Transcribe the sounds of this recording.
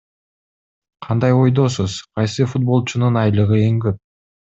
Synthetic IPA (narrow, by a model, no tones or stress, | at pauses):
qʰɑnd̪ɑjo̞jd̪o̞suz̥qʰɑjsɯfut̪̚bo̞lˠt͡ʃununɑjlˠɯʁɯe̞ŋɡøp̚